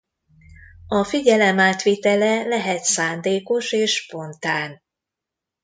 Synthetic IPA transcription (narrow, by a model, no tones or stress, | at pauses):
ɒfiɟɛlɛmaːt̪ʋit̪ɛlɛlɛɦɛt̪saːnd̪eːko̞ʃeːʃːpo̞nt̪aːn